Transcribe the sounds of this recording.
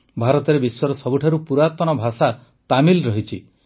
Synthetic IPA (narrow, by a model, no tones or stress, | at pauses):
bʱaɾɔt̪ɔɾebiswɔɾɔsɔbuʈʰaɾupuɾat̪ɔnɔbʱasa | t̪amilɾɔɦit͡ʃʰi